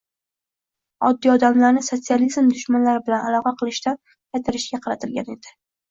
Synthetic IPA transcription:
ɒ̰d̪ːiɒd̪amlaɾnɪso̞t̪sializmd̪ʊʃmanlaɾɪbɪlanalˠɒqɑqʰɨlˠɪʃt̪an | qɑjt̪ʰaɾɪʃɡʲaqʰɑɾat̪ʰɪlɡʲane̞d̪̥ɪ

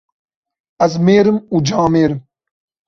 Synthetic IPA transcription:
ɐzmeːɾɨmud͡ʑãːmeːɾm

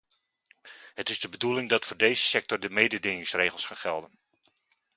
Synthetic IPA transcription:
hətɪzdəbədulɪŋdɑtfoːrdejzəsɛk̚tɔrdəmejdədɪŋɪŋsreːɣəlˠsχanχɛlˠdən

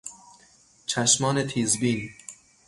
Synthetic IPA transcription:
t͡ʃʰæʃmɒːnet̪ʰiːzbiːn

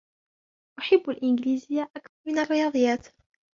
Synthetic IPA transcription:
ʔʊħabːalʔɪnɡɪliːzɪjːaʔakθɑɾˤmɪnarːɪjɑːd̪ˤɨjːaːt̪

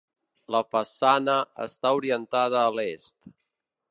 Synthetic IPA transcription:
ləfəsanəə̰st̪auɾiənt̪að̞əːlest̪

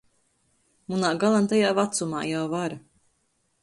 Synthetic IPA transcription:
munaːɡalˠant̪ajaːvat̪suma̰ːjawvaɾa

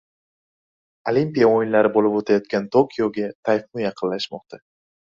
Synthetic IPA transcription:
olimpʲijaojɪnlaɾɪbolɪpot̪ʰajɒt̪̚kʲant̪ʰokʲʰijoɡʲat̪ʰajfnʊjɑqʰɨnlaʃmɒq̚t̪ʰa

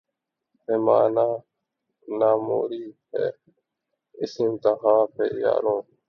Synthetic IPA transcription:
heːma̰ːnaː | naːmoːɾiːhɛ̰ː | ɪsɪnt̪aɦãːpʰeːja̰ːɾõː

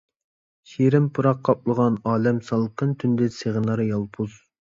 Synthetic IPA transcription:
ʃiɾɪmpʰuɾɑqʰːɑp̚lˠəʁɑnɑːlɛmsɑlˠqʰənt̪ʰynd̪ɪseʁənɑɾjɑlˠpʰuz̥

